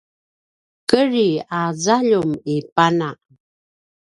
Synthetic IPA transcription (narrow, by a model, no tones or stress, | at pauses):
kəɾiazaʎumipanaʔ